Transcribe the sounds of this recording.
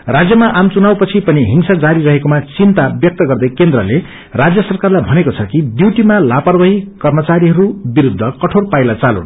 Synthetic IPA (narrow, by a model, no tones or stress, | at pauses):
rad͡zjʌmaʔamt͡sunawpʌt͡sʰipʌniɦiŋsad͡zaɾiɾʌɦekomat͡sint̪abjʌk̚t̪ʌɡʌrd̪ʌjkend̪rʌle | rad͡zjʌsʌrkarlajbʱʌnekot͡sʰʌkibiwʈimalapʌrbʌɦikʌrmʌt͡saɾiɦʌɾubiɾud̪ʱːʌkʌʈʰorpajlat͡salõ̰n